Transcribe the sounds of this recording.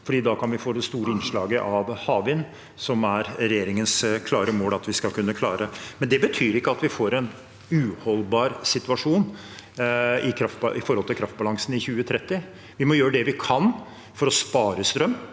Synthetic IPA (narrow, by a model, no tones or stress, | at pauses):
fɔɖiːd̪ɑkɑnʋɪfoːd̪ɛst̪uːɾəɪnʂɭɑːɡəʔɑʋhɑːʋɪn | sɔmæɾɾɛjeːɾɪŋənskʰlɑːɾəmoːlɑt̪ʋɪskɑlkʉnːəkʰlɑːɾəmɛnd̪ɛbət̪ʰyːɾɪkːəɑt̪ʋɪfoːɾɛn | ʉhɔlbɑːɾsɪt̪ʉɑʂuːn | ɪkʰɾɑft̪̚bɑɪfɔɾhɔlt̪ʰɪlkʰɾɑft̪bɑlɑŋsənɪçʉːət̪ʰɾɛt̪ːɪ | ʋɪmɔjøːɾəd̪ɛʋɪkʰɑn | fɔɾɔspɑːɾəst̪ɾœmː